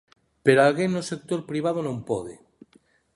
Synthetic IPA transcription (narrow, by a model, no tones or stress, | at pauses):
peɾoalɣennːosek̚t̪oɾpɾiβað̞onõmpoðe